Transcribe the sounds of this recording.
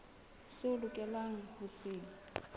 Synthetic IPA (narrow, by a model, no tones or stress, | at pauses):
sʊlʊkʼɛlaŋ̩hʊsiːli